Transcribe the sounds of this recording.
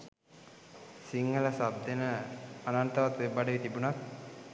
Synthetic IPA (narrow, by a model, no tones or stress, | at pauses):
siŋɡələsab̚d̪ʱenəanant̪ɐʋat̪ʋebaɖəʋit̪ibunat̪